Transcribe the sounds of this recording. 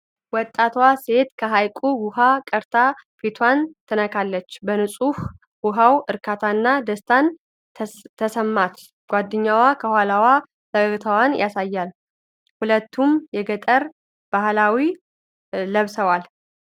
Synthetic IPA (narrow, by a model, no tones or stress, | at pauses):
wɔt̪ʼːat̪wase̞t̪kʰəɦajkʼuwuhakʼəɾt̪ʰafit̪ʰwant̪ʰɨnəkʰalːət͡ʃːbənɨsʼuh | ɡuɦawɨɾkʰat̪ʰanːad̪əst̪ʰan | t̪ʰːəsəmːat̪ | ɡ̥ʷad̪ːɨɲːawakʰəhwalawa | səɡəɡt̪ʰəwanjasajːal | hulət̪ːumjɛɡət̪ʼəɾ | b̥ahlawiː | əβsəwal